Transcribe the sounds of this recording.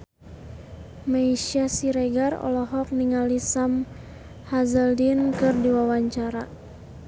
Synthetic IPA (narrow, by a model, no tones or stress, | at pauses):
maiʃiasiɾeɡarɔ̰lɔɦɔk̚niŋalisam | hazəldinkɨrdiwawaɲt͡ʃaɾa